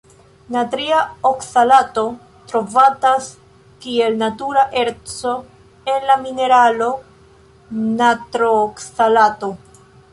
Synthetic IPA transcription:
natɾiaoksalato̞ | tɾo̞vatas | kie̞lnatuɾaʔe̞ɾt͡so̞ | e̞nlamine̞ɾalo̞ | natɾoksalato̞

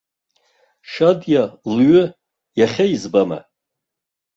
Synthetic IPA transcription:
ʃadjalɥʏ | jaχʲaizbama̰

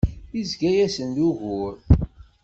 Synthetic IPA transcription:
izɡæjæsənd̪uʝʊɾ

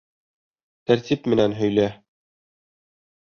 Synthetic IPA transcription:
t̪æɾt̪ipmɘ̆nænɦɵ̆jlæ

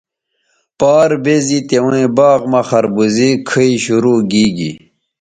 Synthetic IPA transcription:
paːɾbezit̪ewẽbaːɣmɐxɐɾbuzikʰəiɕuɾuːɡiːɡḭ

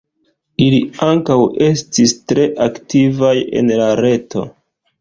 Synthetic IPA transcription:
iliaŋkawe̞stistɾe̞ʔaktivaje̞̰nlaɾe̞to̞̰

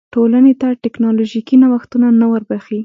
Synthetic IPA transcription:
ʈolanet̪aʈɪknɑloʒikinawaxt̪unanawəɾbaxi

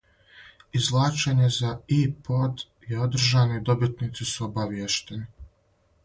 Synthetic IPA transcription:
izlˠaːt͡ʃeɲe̞zaipod̪ | jeo̞d̪r̩ʒaːnoid̪o̞bit̪nit̪sisuobaʋjeʃt̪eni

